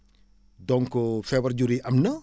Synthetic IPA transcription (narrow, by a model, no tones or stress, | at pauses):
dɔŋkɔfɛwɐrd͡ʒuɾiʔɐmnɐ